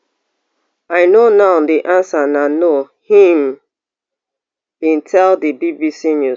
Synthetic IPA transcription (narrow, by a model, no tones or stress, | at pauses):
aɪnonaʊdiʔãnsanano | hĩm | bĩntʰɛldibibisinju